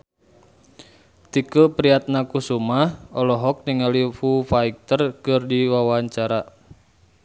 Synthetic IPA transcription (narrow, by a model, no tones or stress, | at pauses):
t̪ikupɾiat̪̚nakusumahɔlɔɦɔk̚niŋalifufaik̚t̪ərkɨrdiwawaɲt͡ʃaɾa